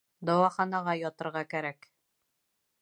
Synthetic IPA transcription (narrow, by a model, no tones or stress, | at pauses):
d̪ɒwɑχɑnɑʁɑjɒt̪ɤ̆ɾʁɑkæɾæk